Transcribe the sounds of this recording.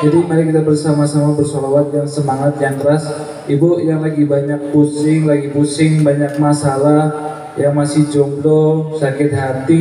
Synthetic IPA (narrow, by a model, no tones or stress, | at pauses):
d͡ʒadimaɾikit̪abərsamasamabərsolawat̪̚jaŋsəmaŋat̪̚jaŋk̪əɾas | ʔibɔjaŋlaɡibaɲak̚pusɪŋlaɡipusɪŋbaɲak̚masalah | jaŋmasɪhd͡ʒɔmd̪ɔsakɪt̪̚ɦat̪ɪ